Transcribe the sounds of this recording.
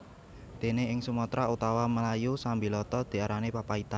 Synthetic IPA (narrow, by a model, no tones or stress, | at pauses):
d̪̥e̤neɪŋsumɔt̪ɾaut̪awaməlajusambilɔt̪ɔd̪̥i̤aɾanepapait̪an